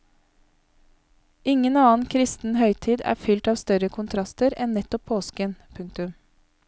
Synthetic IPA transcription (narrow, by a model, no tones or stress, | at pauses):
ɪŋənɑːn̩kʰɾɪst̪n̩hœʏt̪ʰiːd̪æ̰ːfʏlt̪ɑːʋst̪œɾəkʰʊnt̪ʰɾɑst̪əɾɛnnɛt̪ɔpʰoːskənpʰʉŋk̚t̪ʉm